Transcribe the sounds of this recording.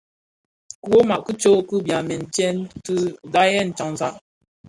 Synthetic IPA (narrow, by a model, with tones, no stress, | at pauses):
ku˦wo˦ma˨ʔkə˦t͡ʃo˦ku˦bja˨mɛ˨n̩˨t͡ʃɛ˦ntɨ˦da˦jɛ˦˨n̩˨t͡ʃa˨ŋ˨za˨ʔ